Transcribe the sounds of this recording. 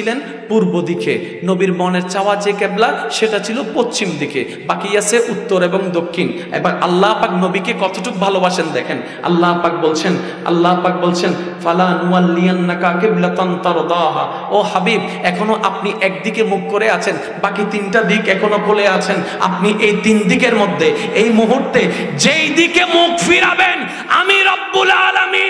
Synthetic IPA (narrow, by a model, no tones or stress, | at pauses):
ilen | puɾbod̪ike | nobiɾmɔneɾt͡ɕaoad͡ʑekɛblaʃeʈat͡ɕʰilopost͡ɕimd̪ike | bakiasʰeʔut̪ːoɾeboŋd̪okʰːin | ḛbaɾʔalːapaknobikekɔt̪oʈʰuk̚bʱalobaʃend̪ɛkʰen | a̰lːapak̚bolt͡ɕʰen | a̰lːapak̚bolt͡ɕʰen | falaːnuwalːijanːakaqiblat̪ant̪ɑɾd̪ɑːɦa | ohabib̚ | ɛkʰonoʔapniʔɛk̚d̪ikemukːoɾeat͡ɕʰen | bakit̪inʈad̪ikɛkʰonokoleat͡ɕʰen | a̰p̚niʔejt̪ind̪ikeɾmod̪ʱːeejmuɦuɾt̪e | d͡ʑejd̪ikemukfiɾaben | a̰miɾɐbːulaːlami